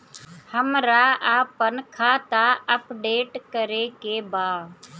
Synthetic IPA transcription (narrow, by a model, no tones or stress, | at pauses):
həmɾaːaːpənkʰaːt̪aːəpɖeːʈkəɾeːkeːbaː